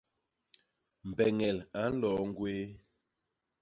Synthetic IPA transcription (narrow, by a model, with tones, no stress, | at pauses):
m̩˨bɛ˨ŋɛ˨la˨˦n̩˦lɔ˨˦ŋ̩˦ɡweː˦